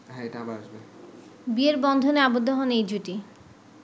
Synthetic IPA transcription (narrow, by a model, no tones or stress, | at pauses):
ɦɛeʈaabaaʃbe | bieɾbɔnd̪ʱoneabod̪ʱːoɦɔnejd͡ʑuʈi